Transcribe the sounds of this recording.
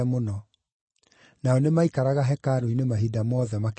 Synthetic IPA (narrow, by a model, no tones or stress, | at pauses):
monɔ | naɔnemaikaɾaɣaɦɛkaɾoinemaɦidamɔðɛmak